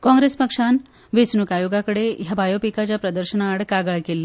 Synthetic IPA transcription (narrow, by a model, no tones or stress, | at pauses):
kɔ̃ŋɡɾespəkʂan | ʋesnukajoɡakəɽejabʱajopikat͡ɕjapɾəd̪əɾɕənaːɽkaɡəɭkelːe